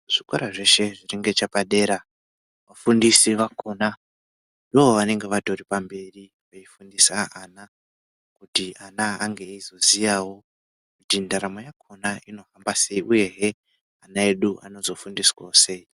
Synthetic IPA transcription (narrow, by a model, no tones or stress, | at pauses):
ʐ̥iko̰ɾaʐe̞ʃe̞ʐiriŋɡe̞t͡ʃapaɗe̞ːɾa | ʋafundisiʋako̞na | ndooʋane̞ŋɡe̞ʋato̞ripambe̞ri | aifundisaana | kutianaaŋɡe̞izo̞zijawo̞ | kutindaɾamo̞jakʰo̞naino̞ɦambase̞iʔuje̞ɦe | anae̞ɗuʔa̰no̞zo̞fundiswaose̞i